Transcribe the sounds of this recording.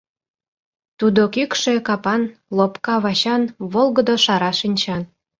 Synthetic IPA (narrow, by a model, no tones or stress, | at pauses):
t̪ud̪okykʃekɑpɑnlopkɑβɑɕɑnβolˠɣəd̪oʃɑɾɑʃinʲt͡ɕɑn